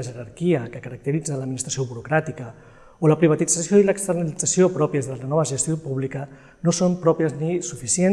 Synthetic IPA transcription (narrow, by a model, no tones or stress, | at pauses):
ʒəɾaɾkiəkəkəɾək̚t̪əɾid͡zələd̪minist̪ɾɐsioβuɾukɾat̪ikə | oləpɾiβ̞ət̪id͡zəsjoiləkst̪əɾnəlid͡zəsiopɾɔpiəzðələnɔβəʒəst̪iopuβlikə | nosompɾɔpiəznisufisen